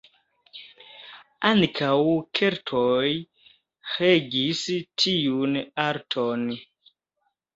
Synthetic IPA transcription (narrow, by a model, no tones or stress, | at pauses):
aŋkʰawkʰeɾtʰoj | heɡistʰijunaɾtʰon